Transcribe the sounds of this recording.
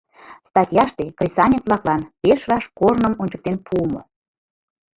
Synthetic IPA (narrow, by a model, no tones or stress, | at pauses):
st̪ɑt̪ʲjɑʃt̪ekrʲisɑnʲet̪βlɑklɑnpeʃβɑʃkornə̆monʲt͡ɕə̆k̚t̪enpʰumo̰